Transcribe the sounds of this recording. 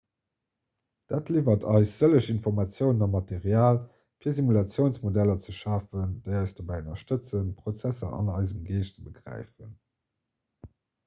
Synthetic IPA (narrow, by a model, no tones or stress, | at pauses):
d̥aːtʰliːvɐtʰɑɪsz̥ələʃinfɔʁmɑt͡sjəʊnənɑmɑteʁjaːl | fiːɐzimulɑt͡sjəʊnsmodælɐt͡səʃaːfəndeɪɑɪsd̥obɑɪənɐʃtət͡sənpʁot͡sæsɐ̰ɑ̰nɑɪzəmɡeːʃt͡səbəɡʁæ̰ɪfən